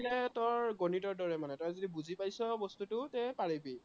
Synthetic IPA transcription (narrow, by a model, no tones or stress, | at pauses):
nɛtɔɹɡonitɔɹdɔɹɛmanɛtɔ̃zodibuzipajsɔbɔstutʊtɛpaɹibi